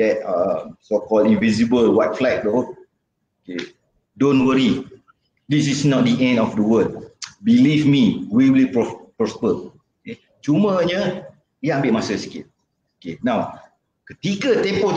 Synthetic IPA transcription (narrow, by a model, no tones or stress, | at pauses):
dɛt̚əmsokɔldĩnvisibəlwat̚flɛk̚to | oke | dõnwəɾi | dis̬isnɔt̚diʔɛ̃ndɔfdəwəd̚bilifmiwiwilpɹɔpɹɔspə | oke | t͡ʃuməɲə | iãmbeʔmasəsi̥kit̚ | okenãw | kət̪ikət̪ɛ̃mpo